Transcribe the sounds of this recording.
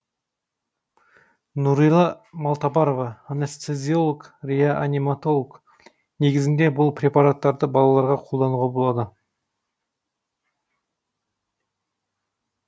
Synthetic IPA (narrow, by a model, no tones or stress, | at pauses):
nuɾijlˠɑmɑlˠt̪ɑbɑɾovɑːnest̪ezʲio̞lˠokrʲijaʔanʲimat̪o̞lˠk | ne̞ɡʲɪzɪnd̪e̞bʊlˠpɾʲe̞paɾat̪ːɑɾd̪əbɑlˠɑlˠɑɾʁɑqʰo̞lˠd̪ɑnuʁɑbo̞lˠɑd̪ə